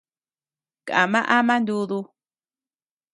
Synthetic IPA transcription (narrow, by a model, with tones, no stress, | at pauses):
ka̰˨mã˦ʔa˦mã˦nd̪u˧ðu˧